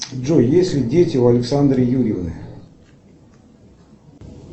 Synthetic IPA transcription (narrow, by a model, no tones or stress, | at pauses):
ʐojesʲsʲlʲɪdʲetʲɪʊɐlʲɪksand̪ɾʲɪjuɾʲɪvnɨ̰